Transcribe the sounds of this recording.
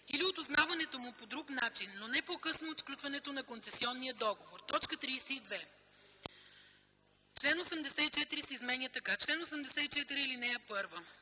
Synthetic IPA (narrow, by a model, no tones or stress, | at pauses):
iliot̪ʊznavɐnɛt̪omʊpod̪ɾuknat͡ʃinːonɛpokɤsnoːt̪sklʲut̪vɐnɛt̪onɐkont̪sɛsiɔnːijəd̪ɔɡovoɾt̪ɔt͡ʃkət̪ɾiːsɛid̪vɛ | t͡ʃlɛnosɛmd̪ɛsɛit͡ʃɛt̪iɾisɛizmɛnʲət̪ɐkat͡ʃlɛnosɛmd̪ɛsɛit͡ʃɛt̪iɾiːlinɛjɛpɤɾvə